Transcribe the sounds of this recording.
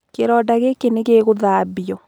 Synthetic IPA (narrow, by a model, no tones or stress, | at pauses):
keɾɔdaɣekeneɣeːɣoðaːbiɔ